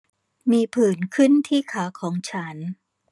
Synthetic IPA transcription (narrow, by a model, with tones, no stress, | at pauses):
miː˧pʰɯː˨˩nkʰɯ˥˩nt̪ʰiː˥˩kʰaː˩˦kʰɔː˩˦ŋt͡ɕʰa˦˥n